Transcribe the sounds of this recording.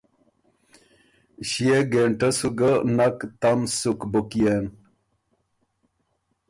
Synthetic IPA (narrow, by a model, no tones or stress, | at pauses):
ɕieɡeɳʈəsuɡənakt̪amsukbukien